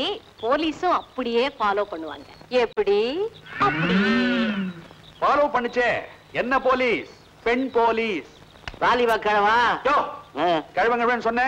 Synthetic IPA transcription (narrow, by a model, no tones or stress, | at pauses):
ipoːliːsʊ̃ɐpːɐɽɪjeːfaːloːpɐɳːɯʋa̰ːŋɡɐɛpːɐɽiɐpːɐɽi | faːloːpɐɳːɯt͡ʃːeː | ɛnːɐpoːliːs | pɛɳpoːliːs | ʋaːliʋɐkːɐɳɐʋaːjoːkɐɻʋɐŋɡɐʋensɔnːɛ̃